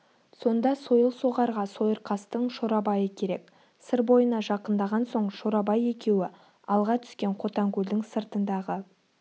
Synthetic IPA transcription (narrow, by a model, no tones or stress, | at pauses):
so̞nd̪ɑso̞jəlˠsoʁɑɾʁɑso̞jəɾqʰɑst̪əɴʃoɾɑbɑjəkʲʰe̞ɾe̞k | səɾbo̞jənɑʒɑqənd̪ɑʁɑnso̞ɴʃo̞ɾɑbɑje̞kʲe̞wɪ | ɑlˠʁɑt̪ʰʏ̥skʲe̞ɴqʰo̞t̪ɑŋkʲʉld̪ɪŋsəɾt̪ənd̪ɑʁə